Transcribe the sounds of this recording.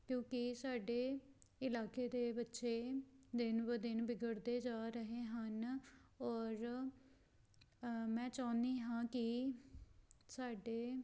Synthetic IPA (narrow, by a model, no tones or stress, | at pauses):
kjõːkɪsaːɖeːɪlaːkeːd̪eːbətːʃeːd̪ɪnbəd̪ɪnbɪɡəɽd̪eːd͡ʒaːɾəɦeːɦənɔːɾ | mɛ̃ːt͡ʃaːnd̪iːɦãːkɪ | saːɖeː